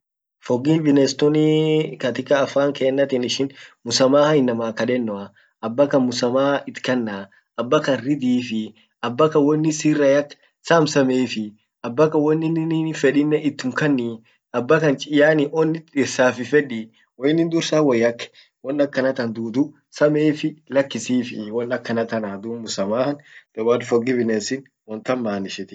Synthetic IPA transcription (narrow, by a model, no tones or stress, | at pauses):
fɔɡivɪnɛst̪ɔnikɐt̪ɪkːɐːfaːŋkeːnːɐt̪ɪnɪʃɪnmʊsɐmaːhɐjɪnːɐmaːkɐᶑɛnːɔɐ | ɐbːɐkɐnmʊsɐmaːɪt̪kɐnːaː | ɐbːɐkɐnɾɪd̪iːfɪ | ɐbːɐkɐwɔnːɪsiːrɐjɐkː | saːmsɐmeːfɪ | ʔɐbːɐkɐwɔnːɪnɪnfɛᶑɪnːɛʔɪt̪ːʊmkɐnːi | ɐbːɐkɐnt͡ʃʼɪjaːnɪʔɔnːɪt̪ɪɾsaːfɪfɛᶑɪ | wɔjɪnːɪnd̪ʊɾsaːwɔjɐkː | wɔnːɐkːɐnɐt̪ɐnd̪uːd̪ʊ | sɐmeːfɪlɐkːɪsiːfɪwɔnːɐkːɐnɐt̪ɐnad̪uːnmʊsɐmaːhɐnd̪̥ɛwaːlfɔɡɪbɪneːsɪn | wɔnt̪ɐnmaːnɪʃɪt̪ɪ̥